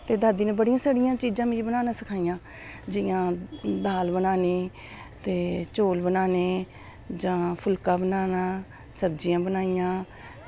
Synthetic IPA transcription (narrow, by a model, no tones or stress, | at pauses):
t̪eːd̪aːd̪iːneːbəɽijãːsəɽɪjãːt͡ʃiːd͡ʒãːmĩibənaːnãːsəkʰaːijãː | d͡ʒɪjãːd̪aːlbənaːniː | t̪eːt͡ʃoːlbənaːneː | d͡ʒãːpʰʊlkãːbənaːnaː | səbd͡ʒɪjãːbənaːijãː